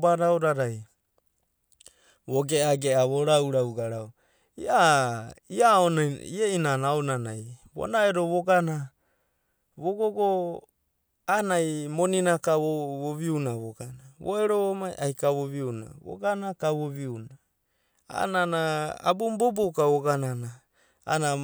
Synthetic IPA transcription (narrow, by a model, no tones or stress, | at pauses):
baɾaoɾaɾaj | βoɡeaɡeaβoɾawɾawɡaɾao | ia | iaonieinanaonanajβo̰naeɾoβoɡana | βoɡoɡo | anajmoninakaβoβoβiunaβoɡanaβoeɾoomajʔajkaβoβiuna̰βo̰ɡanakaβoβiuna | a̰nanaa̰bumbobukaβoɡanana | a̰na